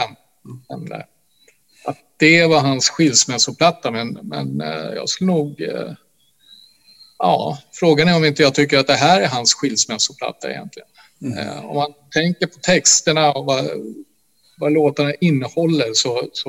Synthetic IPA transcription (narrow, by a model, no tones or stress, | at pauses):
ɛn | ɛ̰md̪ə̰ | ʔat̪̚d̪̥ɛvaɦansɧɪlsmɛsʊpʰlat̪ːamɛnmɛ̰njɑ̰ːɡskɵlːənuːɡ | jɑ̰ːfɾoːɡanæɾɔmɪnt̪əjɑt̪ʰʏkːəɾat̪̚d̪ɛɦæːɾæɾɦansɧɪlsmɛsʊpʰla̰t̪ːaɛ̰jɛ̰nt̪ʰlɪɡən̰ | ɔ̰mːant̪ʰɛŋkəɾpʰɔt̪ʰɛkst̪əɳaɔva | valoːt̪aɳaʔɪnːəhɔlːəɾsɔsɔ